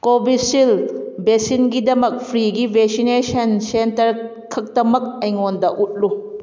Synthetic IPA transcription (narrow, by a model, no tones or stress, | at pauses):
kobisilbesinɡidɐmɐk̚pʰɾiɡibeksinesɐnsentɐɾ | kʰɐk̚dɐmɐk̚ɐjŋondɐʔut̚lu